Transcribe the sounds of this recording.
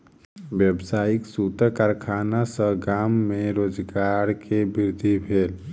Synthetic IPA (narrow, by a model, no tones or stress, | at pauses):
ʋjəbsaːjiksuːt̪əkaɾkʰaːnasəɡaːmːẽɾoːd͡ʒɡaɾkʰebɪɾd̪ʱibʱeːl